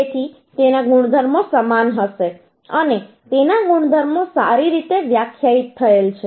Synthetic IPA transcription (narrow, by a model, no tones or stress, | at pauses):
et̪ʰi | t̪enaɡuɽ̃d̪ʱəɾmosəmanɦəʃe | əne | t̪enaɡuɽ̃d̪ʱəɾmosaɾiɾit̪eʋjakʰːjait̪ʰːəelt͡ʃʰe